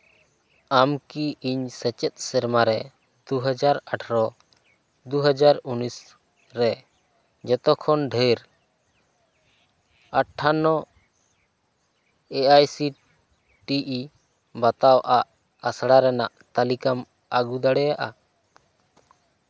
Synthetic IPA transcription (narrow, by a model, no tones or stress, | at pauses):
amkiiɲsɛt͡ʃɛt̪̚ˀsɛɾmaɾɛ | d̪uɦəd͡ʒaɾaʈʰɾɔ | d̪uɦəd͡ʒaɾunis | ɾɛ | d͡ʒɛt̪ɔkʰɔnɖʱəɾ | aʈʰːanɔ | ɛajsi | ʈiʔi | bat̪awaʔaʔ | asɽaɾɛnaʔt̪alikam | aɡud̪aɽɛjaʔa